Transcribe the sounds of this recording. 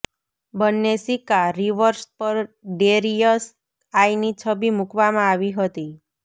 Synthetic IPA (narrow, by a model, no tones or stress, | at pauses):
bənːesikaɾiʋəɾspəɾɖeɾijəs | ajnit͡ʃʰəbimukʋamãaʋiɦət̪i